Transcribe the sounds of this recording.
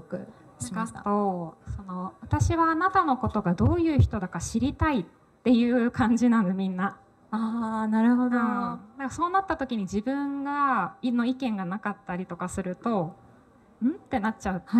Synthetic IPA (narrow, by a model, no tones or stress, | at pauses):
jokɯ̟̰ | ikat̪o̞so̞no̞βat̪aɕiβaːnat̪ano̞ko̞t̪o̞ɡad̪o̞ːjɯ̟ːçi̥t̪o̞d̪akaɕiɾʲit̪ait̪ːe̞jɯ̟ːkãɲ̟d͡ʑinãnd̪emʲĩnːa | aːnaɾɯ̟ɦo̞d̪õd̪akaso̞ːnat̪ːat̪o̞kʲiɲ̟id͡ʑibɯ̟̃ŋɡanːo̞ikẽ̞ŋɡanakat̪ːaɾʲit̪o̞kasɨɾɯ̟t̪o̞ | ɯ̟̃t̪ːe̞nat͡ɕaɯ̟